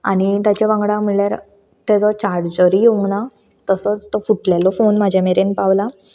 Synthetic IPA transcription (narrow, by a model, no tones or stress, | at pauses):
a̰nit̪jat͡ɕaʋãŋɡɽãm̤iɭljaɾ | t̪ɛd͡zɔt͡ɕaɾʈd͡ʑəɾijeʋuna | t̪əsɔt͡st̪ɔfuʈlɛlɔfonmad͡ʑʱameɾenpaʋla